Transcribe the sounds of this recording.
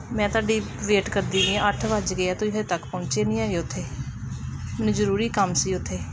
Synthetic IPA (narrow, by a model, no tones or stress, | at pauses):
mɛ̃ːt̪ʊaːɖiː | ʋeːʈkəɾd̪iːʋĩəʈʰʋəd͡ʒɡeaːt̪ʊĩːɦət̪əkpə̃ːt͡ʃeːnĩːaːɡeːʊt̪ʰːeː | mɛːnũːzəɾuːɾiːkəmsiːʊt̪ʰːeː